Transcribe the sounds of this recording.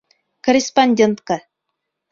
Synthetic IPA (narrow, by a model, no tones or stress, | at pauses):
korʲɪspanʲdʲent̪ka